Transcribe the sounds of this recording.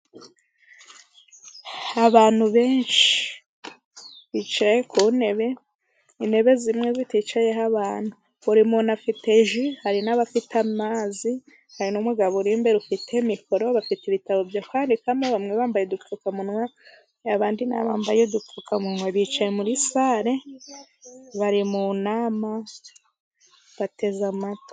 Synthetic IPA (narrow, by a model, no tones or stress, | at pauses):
aβaːn̥huβe̞ːnʃi̥ | βit͡ʃajekʰuːne̞βe̞ | ine̞βe̞zimŋezitit͡ʃaje̞ɦaβaːn̥hu | βuɾimunafite̞ʒihaɾinaβafitʰamaːzi | haɾinomuɡaβuɾiːmbe̞ɾufitʰemikʰo̞ɾo̞βafitiβitaβo̞vjokʰaːndikamaβamŋeβaːmbajedufukamunwa | aβaːndina̰βaːmbajedup͡fukʰamunwaβit͡ʃajemuɾisaɾe̞ | βaɾimunaːma | βate̞zamato̥